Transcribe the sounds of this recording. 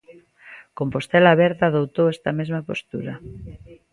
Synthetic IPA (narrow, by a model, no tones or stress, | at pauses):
kompost̪elaβɛɾðaːðowt̪owɛst̪amezmapost̪uɾɐ